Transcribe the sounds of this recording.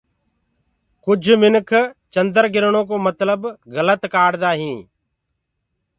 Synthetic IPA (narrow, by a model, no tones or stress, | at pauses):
kʊd͡ʒʱmɪnkʰt͡ʃənd̪əɾɡɪɾɳõːk̬oːmət̪ləbɣələt̪kaːɽd̪aːɦĩː